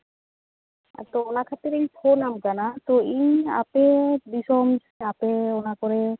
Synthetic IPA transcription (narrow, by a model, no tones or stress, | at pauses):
t̪oonakʰat̪iɾejfʰonamkanat̪oia̰pebiʃɔmd͡ʒapeonakoɾe